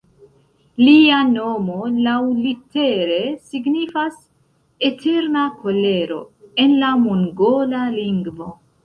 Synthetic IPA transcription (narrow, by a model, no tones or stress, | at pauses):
liano̞mo̞lawlite̞ɾe̞siɡnifas | e̞tʰeɾnakʰo̞le̞ɾo̞̰e̞nlamuŋɡolaliŋɡvo̞